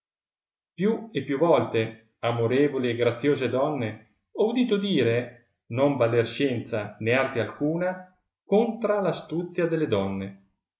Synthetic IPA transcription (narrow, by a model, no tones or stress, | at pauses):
pjuepːjuvɔlt̪e | amoɾeːvolieɡɾat̪sːjoːzed̪ɔnːe | ɔud̪iːt̪od̪iːɾe | nombalːerʃjɛnt̪saneart̪ealkuːna | kont̪ɾalast̪ut̪sjad̪elːed̪ɔnːe